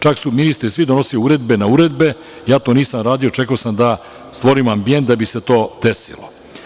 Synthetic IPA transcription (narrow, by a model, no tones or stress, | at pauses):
t͡ʃaksuminist̪ɾisʋid̪onosiluːɾe̞d̪be̞nauːɾe̞d̪be̞ | jaːt̪o̞niːsamɾaːd̪io̞t͡ʃe̞kaosamd̪a | st̪ʋo̞ɾimoambije̞nt̪̚d̪abise̞t̪o̞ːd̪e̞sḭlo̞̰